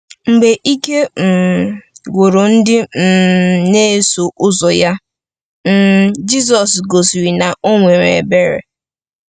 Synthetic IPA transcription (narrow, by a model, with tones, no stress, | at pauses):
ŋ͡m̩˨ɡ͡be˨ʔi˦ke˦m̩˨ | ɡʷo˨ɾo˨n̩˦dɪ˦m̩˨ne˦so˨ʔʊ˦zɔ˨ja˦ | m̩˦˨d͡ʒi˦s̬ɔ˨sɡo˨si˨ɾi˨na˨o˦ŋʷe˨ɾḛ˨be˦ɾḛ˨